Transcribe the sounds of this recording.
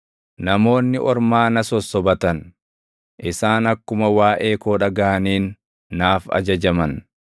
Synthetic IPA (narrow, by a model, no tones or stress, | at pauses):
nɐmo̞ːnːɪʔɔɾmaːnɐsɔsːɔbɐt̪ɐn | ʔɪsaːnɐkːʊmɐwaːʔe̞ːkoːᶑɐɡaːɐniːnː | aːfɐ̰d͡ʒɐd͡ʒɐmɐn